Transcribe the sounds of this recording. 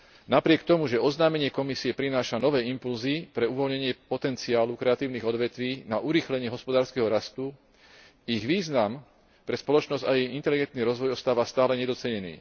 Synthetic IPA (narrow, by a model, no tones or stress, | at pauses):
napɾɪɛkt̪ɔmuʒɛɔznaːmɛɲɪɛkɔmisiɛpɾinaːʃanɔʋɛːimpulzipɾɛuʋɔlɲɛɲɪɛpɔt̪ɛnt͡siaːlukɾɛat̪iːʊniɣɔd̪ʋɛt̪ʋiːnaʔuɾiːxlɛɲɪɛɦɔspɔd̪aːɾskɛɦɔɾast̪u | iɣʋiːznam | pɾɛspɔlɔt͡ʃnɔzɟajɛint̪ɛliɡɛnt̪niɾɔzʋɔjɔst̪aːʋast̪aːlɛɲɛd̪ɔt͡sɛɲɛnḭː